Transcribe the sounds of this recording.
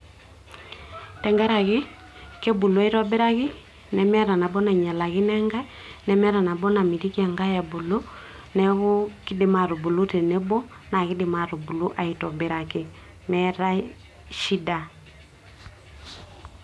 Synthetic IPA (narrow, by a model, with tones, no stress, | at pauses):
tɛ˨ŋɡɛ˦ɾa˨kɪ˦ | kɛ˦bu˨lu˦a˦i˦tɔ˦be˦ɾa˦kɪ˦ | nɛ˨mɛ˦ɾa˨na˨bɔ˦na˨ɲa˨la˨kɪ˦nɛ˦ŋɡa˦ | nɛ˨mɛ˦ɾa˨na˨bɔ˦na˨mi˨ti˦ki˦a˨ŋɡa˦ja˨bu˨lo˦ | nɛ˦ɣʊ˦ki˦dɪ˨ma˨ɾo˨bu˨lu˦te˨nɛ˦bɔ˦ | na˨ki˦dɪ˨ma˨ɾo˨bu˨lu˦ʔa˨i˨tɔ˨be˨ɾa˨kɪ˨ | mɛ˦ɾa˦ | ʃi˦da˨